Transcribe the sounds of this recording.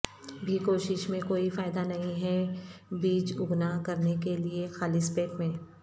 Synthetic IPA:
bʱikoːʃɪʃmẽkoːifaːɪd̪anɐɦĩɦɛbiːt͡ʃʊɡnakɐɾnekeliexaːlispeːkmẽː

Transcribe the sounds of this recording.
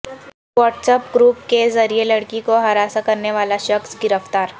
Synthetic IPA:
ʋɔːʈsepɡɾuːp̚kezɐɾielɐɽkikoɦɐɾaːsakɐɾneʋaːlaʃɐxsɡɪɾəft̪aːɾ

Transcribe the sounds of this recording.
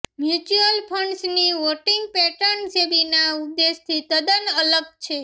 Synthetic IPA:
mjut͡ʃuəlpʰəɳɖsniʋoʈiŋɡ̚pɛʈəɳsebinaud̪ːest̪ʰit̪əd̪ənələɡ̚t͡ʃʰe

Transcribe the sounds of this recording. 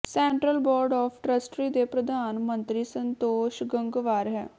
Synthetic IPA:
sɛːɳʈɾəlbɔːɾɖɔːfʰʈɾəsʈɾiːd̪epɾəd̪ʱaːnmə̃nt̪ɾiːsənt̪oːʃɡə̃ŋɡʋaːɾɦɛː

